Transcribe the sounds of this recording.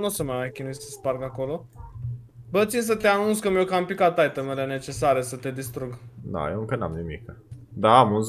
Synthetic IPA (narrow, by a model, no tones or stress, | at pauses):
nusəmajmajkʲinissəsparɡako̞lo̞ | bət̪sins̬ət̪eanunskəmiokaɨmpikat̪ajt̪əmelene̞t͡ʃe̞saɾesət̪e̞d̪ist̪ɾuɡd̪a̰jeɨ̃ŋkəna̰mnimḭkd̪aːmunz